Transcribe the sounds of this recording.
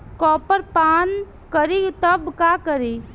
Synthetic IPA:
kɔːpəɾpaːn | kəɾit̪əbkaːkəɾi

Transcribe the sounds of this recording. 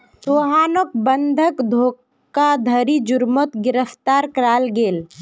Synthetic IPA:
soːɦaːnok̚bənd̪ʱəkd̪ʱoː | kad̪ʱəɾid͡ʒʊɾmət̪ɡɪɾəft̪aːɾkɾaːlɡeːl

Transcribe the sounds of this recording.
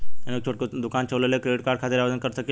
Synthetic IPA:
anek̚t͡ʃʰoʈkod̪ukant͡ɕʰəʋlelekɾeɖiʈkaɾɖkʰat̪eɾaʋad̪ənkəɾsəke

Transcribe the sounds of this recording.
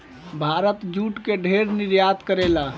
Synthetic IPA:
bʱaɾət̪d͡ʒuʈkeɖʱeɾniɾjad̪kəɾela

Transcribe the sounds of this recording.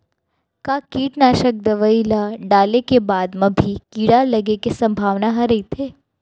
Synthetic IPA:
kaːkiːʈnaːʃək̚d̪ɐʋəilaɖaːlekebaːd̪mɐ̃bʱikiːɽalɐɡekesɐ̃mbʱaːʋnaɦɐɾɐit̪ʰeː

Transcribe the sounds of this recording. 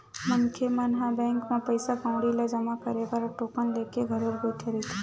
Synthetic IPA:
mɐŋkʰemɐnɦabɛ̃ːŋkmẽpɐjsakãʊ̃ɽilad͡ʒɐmakɐɾebaɾɔʈoːkənleːkeɡʱɐɾəɾbəiʈʰɐɾit̪ʰi

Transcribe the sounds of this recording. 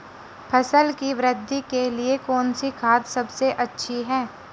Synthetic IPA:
pʰɐsəlkiʋɾɪd̪ʱːikeliekɔːnsikʰaːt̪sɐbseʔɐtːʃʰiɦɛː

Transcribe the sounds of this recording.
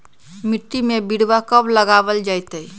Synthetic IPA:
miʈːimebiɽbakəbləɡabəld͡ʒajt̪əj

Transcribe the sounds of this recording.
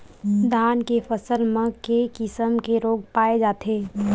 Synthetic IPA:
d̪ʱaːnkefəsəlmẽkekɪsəmkeɾoːɡ̚paːed͡ʒaːt̪ʰeː

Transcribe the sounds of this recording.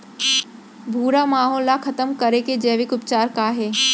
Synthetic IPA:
bʱuːɾamaːɦɔːlːakʰɐt̪əmkɐɾeked͡ʑɐːʋɪkʊpt͡ɕaːɾkaːɦeː

